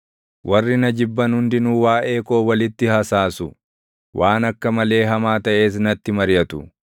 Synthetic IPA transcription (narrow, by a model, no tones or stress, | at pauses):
wʔɐrːɪnɐd͡ʒɪbːɐnhʊnd̪ɪnuːwaːʔe̞ːkoːwɐlɪt̪ːɪhɐsaːsʊ | wʔaːnɐkːɐmɐle̞ːɦɐmaːt̪ɐʔe̞ːsnɐt̪ːɪmɐɾjɐt̪ʊ